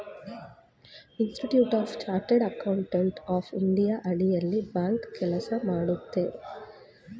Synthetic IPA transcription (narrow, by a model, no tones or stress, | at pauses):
insʈiʈjuːʈaːft͡ʃaːɾʈeɖɐkɐwuɳʈeɳʈaːfiɳɖijaːʔɐɽijɐlːibaːŋkkɛlɐsɐmaːɽut̪ːeː